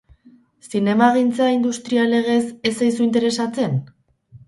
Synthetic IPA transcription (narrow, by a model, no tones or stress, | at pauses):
sine̞maɣ̞int͡saind̪ust̪ɾiale̞ɣ̞e̞se̞sajsuint̪̬e̞ɾe̞sat͡se̞n